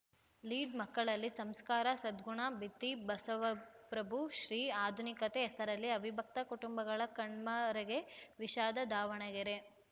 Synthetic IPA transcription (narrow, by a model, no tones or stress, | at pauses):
liːɖmɐkːɐɭɐlːisɐmskaːɾɐsɐd̪ɡuɳɐbit̪ːibɐsɐʋɐpɾɐbʱuʃɾiːaːd̪ʱunikɐt̪eːsɐɾɐlːiɐbʱibʱɐk̚t̪ɐkuʈumbɐɡɐɭɐkɐɳmɐɾɐɡe̞ʋiʃaːd̪ɐd̪ʱaːʋɐɳɐɡeɾe